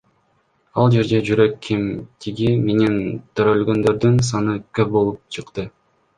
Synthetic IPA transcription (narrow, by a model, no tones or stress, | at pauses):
ɑlˠd͡ʒe̞ɾd̪e̞d͡ʒyɾø̞kːimt̪ʰiɡime̞nint̪ʰøɾølɡø̞nd̪ø̞ɾd̪yns̬ɑnɯkøp̚bo̞lˠup̚t͡ʃʰɯqt̪ɯ